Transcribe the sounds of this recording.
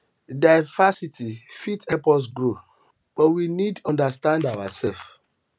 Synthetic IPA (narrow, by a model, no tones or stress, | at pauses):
daɪvasitʰifitɛpɔs̬ɡɹo | b̥ɔwinidɔ̃ndastãndawasɛlf